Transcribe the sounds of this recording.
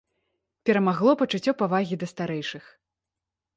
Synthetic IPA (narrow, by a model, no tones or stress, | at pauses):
pʲɛɾɐmaɣlˠɔpɐt͡ʂut͡sʲːɔpavaɣʲid̪ɐst̪aɾɛjʂɨx